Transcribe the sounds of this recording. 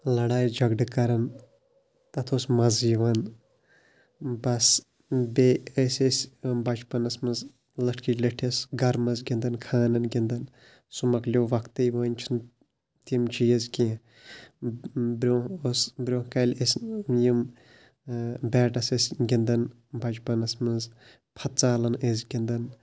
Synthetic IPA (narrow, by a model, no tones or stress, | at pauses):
lɐɽaːjd͡ʒɐɡɖɨkɐɾɐn | t̪ɐt̪ʰosmɐziʋɐn | bɐs | beesʲesʲbɐt͡ʃpɐnɐsmɐz | ləʈʰkilʲɐʈʰɐsɡɐɾmɐzɡʲind̪ɐnkʰaːnɐnɡʲind̪ɐn | sumɐklʲoːʋɐkt̪ɐjʋaːnʲt͡ʃʰin | t̪imt͡ʃʰijɐzkʲẽ | bɾʲoosbɾʲoːhkɐlʲesʲjim | bʲɛːʈɐsɐsʲɡʲind̪ɐn | bɐt͡ʃpɐnɐsmɨz | pʰɐt̪̚t͡saːlɐnezɡʲind̪ɐn